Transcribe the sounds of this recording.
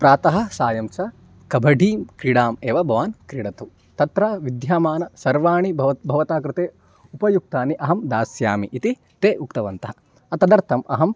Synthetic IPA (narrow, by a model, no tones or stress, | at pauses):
pɾaːt̪ɐɦɐ̆saːjɐmt͡ʃɐ | kɐbʱɐɖʱiːmkɾiɽaːmeːʋɐbʱɐʋaːnkɾiɽɐt̪u | t̪ɐt̪ɾaʋid̪jaːmaːnɐsɐɾʋaːɳibɐbʱɐʋɐt̪aːkɾɪt̪eː | upɐjuk̚t̪aːniʔɐɦɐmd̪aːsjaːmiʔit̪i | t̪eːʔukt̪ɐʋɐnt̪ɐɦɐ | ɐt̪ɐd̪ɐɾt̪ʰɐmɐ̰ɦɐm